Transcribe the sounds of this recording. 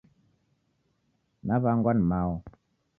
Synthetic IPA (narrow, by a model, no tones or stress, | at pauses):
naβaŋɡanmawo